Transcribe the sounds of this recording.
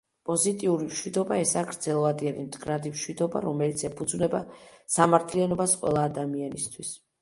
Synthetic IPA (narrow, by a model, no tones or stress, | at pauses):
pʼɔzit̪ʼiuɾimʃwid̪ɔbaɛsaːɡɾd̪zɛlˠvad̪iɛnimd̪ɡɾad̪imʃwid̪ɔba̰ɾɔmɛlit̪sʰɛpʰud̪zvnɛba̰samaɾt̪ʰlianɔbasqʼwɛ̰lˠaːd̪amianist̪ʰwis